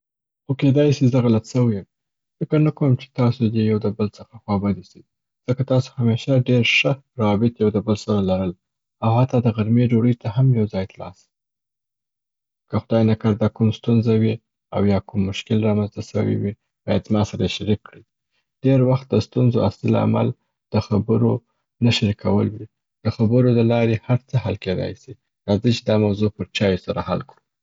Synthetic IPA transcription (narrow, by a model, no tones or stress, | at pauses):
xoked̪ɑjsizəɣalat̪səwəjəm | fɪkəɾnakowəmt͡ʃe̥t̪ɑsod̪ejawd̪əbəlt͡səxaxwɑbad̪isi | z̥əkat̪ɑso̥hameʃaɖeɾʃəɾawɑbɪt̪jawd̪əbəlsaɾalaɾəl | awhat̪ːɑd̪əɣaɾmed͡ʒoɽəjt̪ahamjawzɑjt̪alɑ̰s | i | kəxʊd̪ɑjnakaɾd̪ɑkumst̪unzawi | a̰wjɑkumːʊʃkɪlɾɑmanzt̪asə̰wḭwi | b̥ɑ̰jad̪zmɑsaɾaeʃaɾikːɽi | ɖ̥eɾwaxt̪̚d̪əst̪unzoaslila̰a̰ma̰l | d̪̥əxabəɾo | naʃaɾikʰawəlwi | d̪̥əxabəɾod̪əlɑɾehaɾt͡səhalked̪ɑ̰jsi | ɾɑzət͡ʃed̪ɑmawzopəɾt͡ʃɑjosaɾahalkɽu